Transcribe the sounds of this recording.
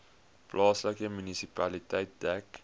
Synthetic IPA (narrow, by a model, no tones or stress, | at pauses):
plʔɑːsləkəmynisipɐlitəjt̚dæk